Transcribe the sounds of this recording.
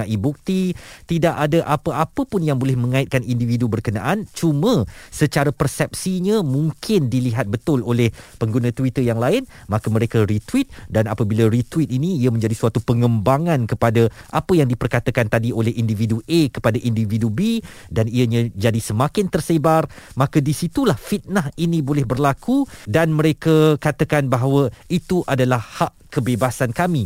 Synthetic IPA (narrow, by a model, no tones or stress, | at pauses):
aʔibuk̚t̪it̪idaʔadaʔapəapəpʊnjaŋbolɛhmə̃ŋãɪt̪̚kanindividubərkənaʔant͡ʃumə̃sət͡ʃaɾapərsɛp̚siɲãmũŋkʰɪndiliɦat̪̚bət̪ʊlolɛhpəŋɡunãt̪uit̪əjaŋlaɪnmãkəməɾekaɾit̪wit̪̚danapəbilaɾit̪wit̪̚inĩiəmə̃ɲd͡ʒadisuat̪upəŋəmbaŋãnkəpadaʔapəjaŋdipərkat̪akant̪adiolɛhindividuʔekə̥padaʔindividubi | daniaɲãd͡ʒadisəmãkɪnt̪ərsebarmãkadisit̪ulahfit̪̚nahinĩbolɛhbərlakudanmə̃ɾekakat̪akanbaɦawəit̪uʔadalahhaʔkəbebasankamĩ